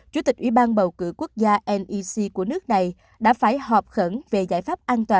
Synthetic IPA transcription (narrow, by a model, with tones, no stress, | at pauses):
t͡ɕu˨˧˩t̪ï˨˩k̟̚ʔwḭ˧˨˦ɓaː˧nɓə˨˩wkɨ̰˧˥ku˦˥ək̚zaː˧ʔɛ˧nʔi˧si˧ku˧˩ənɨ˦˥ək̚na˨˩j | ɗa̰ː˧˥faː˧˩jhɔ˨˩p̚xə˧˩nve˨˩za̰ː˧˥jfaː˦˥p̚ʔaː˧nt̪waː˨˩